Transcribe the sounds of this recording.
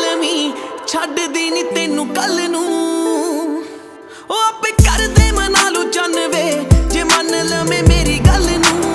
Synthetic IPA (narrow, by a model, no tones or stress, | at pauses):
lmiːt͡ʃʰəɖd̪iːniːt̪eːnũːkəlnũː | oːəpẽːkəɾd̪eːmə̃naːlũːd͡ʒənʋeːd͡ʒeːmənələmẽːmeːɾiːɡəlnũː